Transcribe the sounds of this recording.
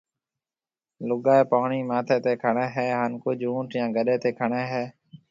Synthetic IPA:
lʊɠaːeːpoːɳiːmãːt̪ʰeːt̪eːkʰəɳẽːɦeːɦənkʊd͡ʒũːʈjãːɡəɗeːt̪eːkʰəɳeːɦeː

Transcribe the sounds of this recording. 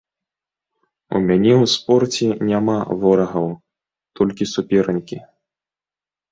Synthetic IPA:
ṵmʲanʲɛwspɔrt͡sʲɛnʲamavɔɾɐɣɐw | t̪ʰɔlʲkʲisupʲɛɾɐnʲkʲi

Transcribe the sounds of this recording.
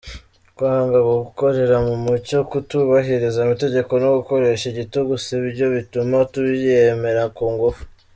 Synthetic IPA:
kwaŋɡaɡoɡuko̞ɾe̞ɾamumuco̞kutuβaɦiɾizaimite̞ɟe̞ko̞noɡuko̞ɾe̞ʃiɟituɡuseβiɾɟo̞βitumatuβieme̞ɾakuːŋɡofu̥

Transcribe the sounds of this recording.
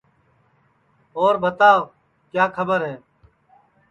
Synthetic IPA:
oːɾbʱət̪aː | kjaːkʰəbəɾɦɛː

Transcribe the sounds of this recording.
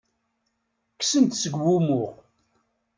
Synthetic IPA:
ksənt̪səɡwumʊʁ

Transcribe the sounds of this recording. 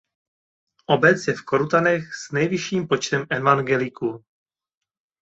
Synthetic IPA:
ʔobɛt͡sjɛfkoɾut̪anɛxz̥nɛjvɪʃiːmpot͡ʃt̪ɛmɛvaŋɡɛlɪku

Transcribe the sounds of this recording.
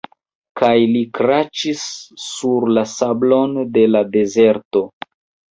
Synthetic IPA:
kajlikɾat͡ʃisːuɾlasablo̞nde̞lade̞ze̞ɾto̞

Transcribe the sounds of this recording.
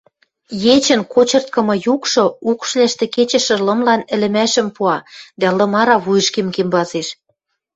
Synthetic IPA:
jet͡ɕə̆nkot͡ɕɤ̆rt̪̚kɤ̆mɤ̆jukʃŏukʃlæʃt̪ĕket͡ɕə̆ʃə̆lɤ̆mlɑnɘ̆lɘ̆mæʃə̆mpuɑd̪ælɤ̆mɑɾɑβujə̆ʃkemkembɑzeʃ

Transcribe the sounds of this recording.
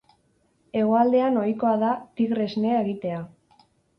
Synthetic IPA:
e̞ɣoald̪e̞ano̞jko̞aðat̪iɣɾe̞zneeɣit̪e̞a

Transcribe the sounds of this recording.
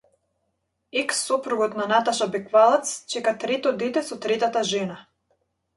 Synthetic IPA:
ɛksːɔpɾuɡɔt̪nanat̪aʃabɛkvalˠat̪st͡ʃɛkat̪ɾɛt̪ɔd̪ɛt̪ɛsɔt̪ɾɛt̪at̪aʒɛna

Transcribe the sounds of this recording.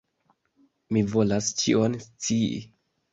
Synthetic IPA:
mivo̞last͡ʃḭonst͡siḭ

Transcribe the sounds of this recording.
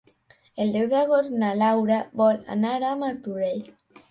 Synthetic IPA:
eld̪ewðaɣoɾnalawɾaβɔla̰naɾamaɾt̪uðej

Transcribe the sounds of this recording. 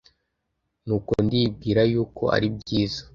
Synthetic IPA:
nuːkondib̚ɡiːɾajuːko̞̰a̰ɾib̚ɟiːzḁ

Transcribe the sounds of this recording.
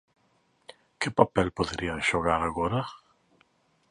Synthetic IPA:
kɪpapɛlpoðeɾiaŋʃoɣaɾaɣɔɾa

